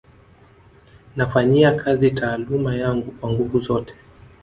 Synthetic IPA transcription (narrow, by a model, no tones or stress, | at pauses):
nafaɲiakʰazitʰaːlumajaŋɡukwaŋɡuvuzɔtɛ̥